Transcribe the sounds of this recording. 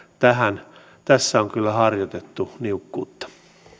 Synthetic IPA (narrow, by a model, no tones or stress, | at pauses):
t̪æhæn | t̪æsːæoŋkylːæhɑrjot̪et̪ːuniukːṵːt̪ːɑ̥